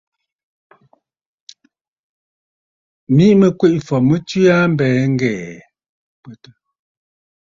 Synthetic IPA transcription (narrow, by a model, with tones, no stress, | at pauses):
mi˦ʔmə˨kwe˦˨ʔfɔ˨mə˦ti˦a˦m̩˦bɛː˨ŋ̩˦ɡɛː˨ | pwə˨tə˦